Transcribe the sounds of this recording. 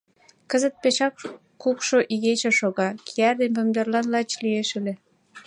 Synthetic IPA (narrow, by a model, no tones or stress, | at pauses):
kəzə̆t̪̚peʃɑk | kukʃoʔiɣet͡ɕĕʃoɣɑkiærd̪enpømd̪erlɑnlɑt͡ɕlieʃəlĕ